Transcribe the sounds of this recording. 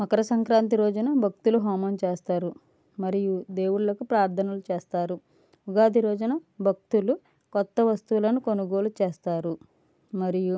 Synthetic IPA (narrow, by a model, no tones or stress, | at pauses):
mɐkɐɾɐsɐŋkɾaːnt̪̬iɾoːd͡ʒunɐbʱɐk̚t̪uluɦaːmɐnt͡ʃeːst̪aːɾu | mɐɾijud̪e̞ːwuɽlɐkupɾaːɾt̪ʰɐnɐlut͡ʃeːst̪aːɾu | uɡaːd̪iɾɔːd͡ʒunɐbʱɐk̚t̪ulu | kɔt̪ːɐʋɐst̪ulɐnukonuɡo̞ːlut͡ʃeːst̪aːɾu | mɐɾiju